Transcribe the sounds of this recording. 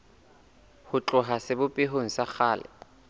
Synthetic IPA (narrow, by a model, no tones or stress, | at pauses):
hʊt͡ɬʼʊɦasɪbʊpʼɪɦoŋ̩sak͡xʰaːlɪ̰